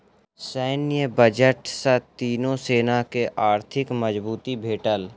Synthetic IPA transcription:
sɛːnɪjəbəd͡ʒəʈsət̪iːnõseːnakeʔaːɾt̪ʰɪkməd͡ʒbuːt̪ibʱeːʈəl

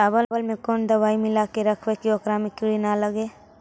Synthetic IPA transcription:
aːbəlbəlmẽkond̪əʋaːimɪlakeɾəkʰwekiokɾamikuɾinaləɡe

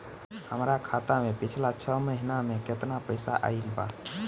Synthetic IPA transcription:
həmɾakʰat̪amepit͡ʃʰlat͡ʃʰəməɦinameket̪napəɪsa̰ʔa̰ilba̰

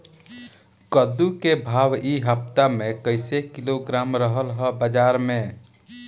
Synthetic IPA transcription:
kəd̪ukebʱaːʋiɦəp̚t̪amẽkəɪsekɪloɡɾaːmɾəɦəlɦəbəd͡ʒaːɾmẽ

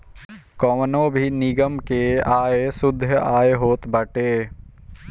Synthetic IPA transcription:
kɔʋənõbʱinɪɡəmkeaːesʊd̪ʱːjəaːeɦoːt̪bəʈeː

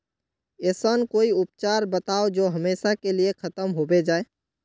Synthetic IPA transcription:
eːsənkoːiʊp̚t͡ʃaːɾbət̪aːod͡ʒoːɦɐmeːʃakeliekʰɐt̪əmɦobed͡ʒaːe

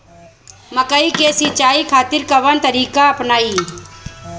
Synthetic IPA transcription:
məkəikesit͡ʃaːikʰaːt̪ɪɾkɐʋənt̪əɾiːkaɐpnaːiː

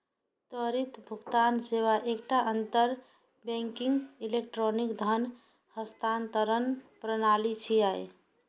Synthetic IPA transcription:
t̪əɾit̪bʱuɡt̪ansewaʔekʈaʔənt̪əɾ | bẽŋkiŋɡilekʈɾonikd̪ʱən | həst̪ʰant̪əɾənpɾənalit͡ʃʰijaj

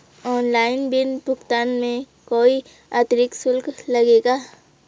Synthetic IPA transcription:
ɔːnlaːɪnbʱɪnbʱʊɡt̪aːnmẽ | koːi | at̪ɾɪksʊlklɐɡeːɡaː

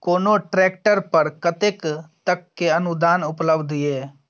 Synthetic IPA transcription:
koːnoʈɾɛːkʈəɾpəɾkət̪ekt̪əkːeənʊd̪aːnʊpləbd̪ʱeː

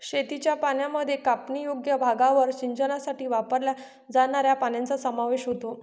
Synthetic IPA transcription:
ɕet̪it͡ɕjapanjaməd̪ʱjekapnijoɡjəbʱaɡaʋəɾɕiɲt͡ɕənasaʈiːʋapəɾlja | d͡zaɽ̃aɾjapanjant͡sasəmaʋeɕɦot̪o

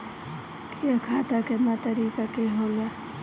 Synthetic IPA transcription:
kʰijakʰaːt̪akemat̪əɾiːkakeɦoːla

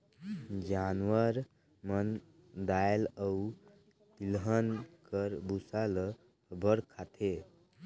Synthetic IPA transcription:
d͡ʒanwəɾ | mən | d̪aeləu | t̪ilɦənkəɾbusalə | bəɽkʰat̪ʰe

